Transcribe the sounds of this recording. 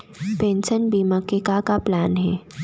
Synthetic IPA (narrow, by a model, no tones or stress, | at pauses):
pẽːnsənbiːmakekakaplaːnɦɛː